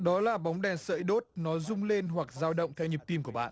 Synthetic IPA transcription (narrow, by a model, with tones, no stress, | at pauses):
ɗɔ˨˦laː˨˩ɓa˨˦wŋ͡mɗɛ˨˩nsə̰ː˧˥jɗo˦˥t̚nɔ˨˦zʊ˧ŋ͡mle˧nɦwa˨˩k̚zaː˧wɗə̰˧˨wŋ͡mt̪ʰɛ˧wɲi˨˩p̚t̪i˧mku˧˩əɓa̰ː˧˨n